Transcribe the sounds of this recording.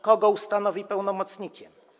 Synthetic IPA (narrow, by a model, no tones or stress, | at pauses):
kɔɡɔust̪anɔvʲipɛwnɔmɔt̪sɲikʲɛm